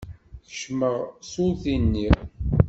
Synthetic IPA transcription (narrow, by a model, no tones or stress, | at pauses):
θə̥ʃməʁsʊθinːi